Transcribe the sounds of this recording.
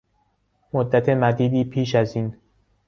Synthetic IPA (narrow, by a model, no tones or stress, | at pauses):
mod̪ːæt̪ʰe̞mæd̪iːd̪iːpʰiːʃ̬æziːn